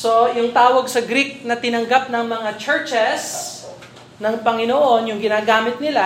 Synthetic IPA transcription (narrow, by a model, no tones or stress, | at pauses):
so̞jʊŋt̪aːwɐɡsɐɡɾik̚nɐt̪ɪnɐŋɡap̚nɐŋmɐŋat͡ʃɛɹt͡ʃɛs | nɐŋpɐŋɪnoʔo̞njʊŋɡɪnaːɡaːmɪt̪̚nɪla